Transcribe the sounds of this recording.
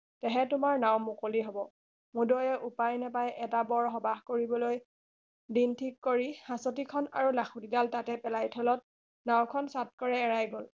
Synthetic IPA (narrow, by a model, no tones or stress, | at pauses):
tɛɦɛtʊmaɹnawmukoliɦɔbɔ | mudojɛʔupajnɛpajʔɛtabɔɹɦɔbaɦkoɹibɔloj | dintʰikːoɹihãsɔt̬ikʰɔna̰ɹulaxʰutidaltatɛpɛlajtʰɔlɔt̚ | nawkʰɔnsat̚kɔɹɛːɹajɡol